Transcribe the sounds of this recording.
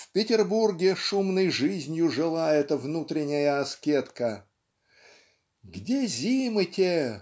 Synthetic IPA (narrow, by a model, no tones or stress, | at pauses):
fpʲɪtʲɪrburɡʲɪʂumnɨjʐɨzʲnʲjʊʐɨlˠaɛt̪əvnut̪ɾʲɪnʲːɪjəɐskʲet̪kə | ɡdʲezʲimɨtʲe